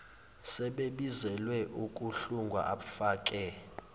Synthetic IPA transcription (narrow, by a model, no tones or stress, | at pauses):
sɛɓeɓizɛlwɛʔukʼuɬuŋɡʱwa̰ʔaɓfaːkʼɛ